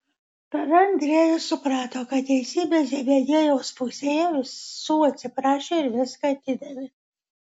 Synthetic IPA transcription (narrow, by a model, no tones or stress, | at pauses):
pɐɾɐnʲd̪ʲɾʲeːjɪsʊpɾɑːt̪oːkɐt̪̚t̪ʲɛɪsʲiːbʲeːs̬ʲɛbʲejʲiɛjoːspʊsʲeːjɛʋʲɪsuːɐt̪ʲsʲɪpɾɑːʃʲeːɪɾʋʲɪskɑt̪ʲɪd̪ʲɐmʲɪ